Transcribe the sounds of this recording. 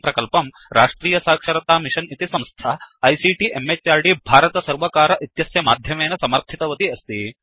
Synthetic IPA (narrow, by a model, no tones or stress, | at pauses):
pɾɐkɐlpɐm | ɾʔaːʂʈɾiːjɐsaːkʂɐɾɐt̪aːmiʂɐnit̪isɐmst̪ʰaɐjsiːʈiʔemːet͡ʃːaːɾɖibʱaːɾɐt̪ɐsɐɾʋɐkaːɾɐʔit̪jɐsjɐmaːd̪ʱjɐmeːnɐsɐmɐɾt̪ʰit̪ɐʋɐt̪iɐst̪i